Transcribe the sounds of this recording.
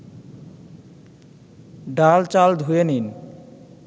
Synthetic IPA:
ɖalt͡ɕald̪ʱuenin

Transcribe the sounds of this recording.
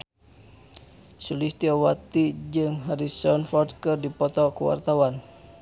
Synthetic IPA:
sulist̪iawat̪id͡ʒɨŋɦaɾisɔnfɔrd̚kərdipɔt̪ɔkəwa̰rt̪awan

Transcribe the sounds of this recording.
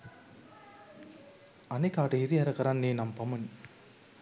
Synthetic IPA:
ɐnɐkaːʈɐiɾijɐɾɐkɐɾanːeːnɐmpɐmɐn

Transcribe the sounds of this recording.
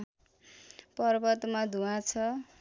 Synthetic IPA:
pʌrbʌt̪mad̪ʱuãt͡sʰʌ

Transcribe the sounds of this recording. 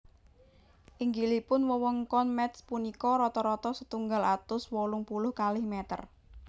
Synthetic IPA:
ʔiŋɡilipʊnwəwɔŋkɔnmɛt̪spunikɔɾɔt̪ɔɾɔt̪ɔsət̪uŋɡalat̪ʊswɔlʊŋpulʊhkalɪhmɛt̪ə̰r

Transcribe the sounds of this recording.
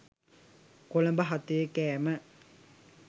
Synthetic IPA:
kolɐmbɐɦɐt̪ːuʋekɛːmɐ

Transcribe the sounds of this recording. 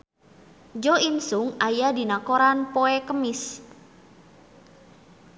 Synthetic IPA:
d͡ʒoinsʊŋajadinakoɾanpoɛkəmɪs

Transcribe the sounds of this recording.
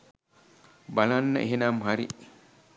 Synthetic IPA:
bɐlanːɐ̰ʔeɦenaːmɦaɾḭ

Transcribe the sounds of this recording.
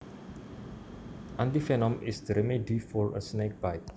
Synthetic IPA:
ʔãnt̪ifɛnɔ̃mɪ̰sd̪ɾɛmidifɔɹə̰snek̚bajt

